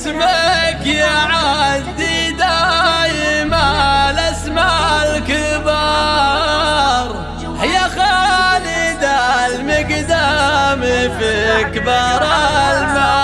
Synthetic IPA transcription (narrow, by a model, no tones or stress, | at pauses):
smakjaʕad̪id̪ajɪmalasmalkɪbɑ | ɾˤ | hɪjːaxalɪd̪almɪɡd̪amɪfikbɑɾˤɑlma